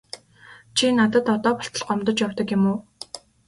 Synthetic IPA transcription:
t͡ɕʰinat̪ə̆t̪ɔt̪ɔːpɔɬt̪ə̆ɮɢɔmt̪ɞ̆t͡ɕjawt̪ə̆kjɪmuː

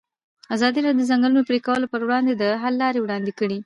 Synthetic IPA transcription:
azɑd̪iɾɑdod̪əzaŋɡəlunopɾekawəlopəɾwɽɑnd̪ed̪əɦalːɑɾewɽɑnd̪ekəɽi

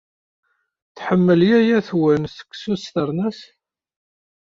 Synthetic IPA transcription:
θħəmːəljæjæθwənsə̥kːsust̪əɾˤnæs

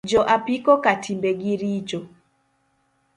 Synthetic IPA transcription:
d͡ʒɔʔapikɔkatʰimbeɡiɾit͡ʃɔ

